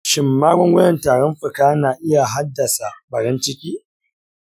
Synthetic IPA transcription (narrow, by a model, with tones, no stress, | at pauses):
ʃɪ˨mːaː˦ɡʷɔ˦ŋɡʷɔ˦jɛ˨ntaː˨ɾɔ˦mɸɨ˨kaː˦naː˨ʔɪ˦ja˨ɦa˦dːɐ˨sa˨bɐ˨ɾɪ˦nt͡ʃɪ˦kʲiː˦